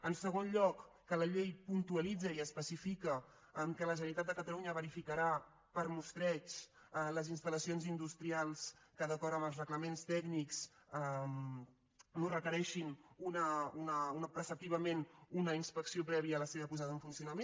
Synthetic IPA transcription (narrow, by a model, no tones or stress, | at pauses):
ənsəɣ̞onʎɔkː | ələʎejpunt̪uəlid͡zəiəspəsifikəː | mkələʒənnit̪at̪̚d̪əkət̪əluɲəβəɾifikəɾa | pəɾmust̪ɾɛt͡ʃ | ləzinst̪ələsionzind̪ust̪ɾialˠskəðəkɔɾəməlˠzrəɣləmenst̪ɛɡniksəm | norəkəɾɛʃinunəunəunəpɾəsəp̚t̪iβəmenunəinspəksiopɾɛβiəːləseβəpuzaðəɱfunsiunəmen